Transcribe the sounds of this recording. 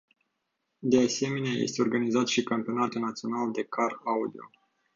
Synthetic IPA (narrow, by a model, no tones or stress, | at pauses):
d̪e̞ase̞me̞neajḛst̪e̞o̞rɡanizat̪ʃikampio̞nat̪ənat̪sio̞nald̪e̞kʰaraud̪io̞̰